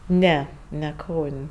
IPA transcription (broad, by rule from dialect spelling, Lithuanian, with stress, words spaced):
ˈnʲɛ nʲɛ ˈkɐʊnʲ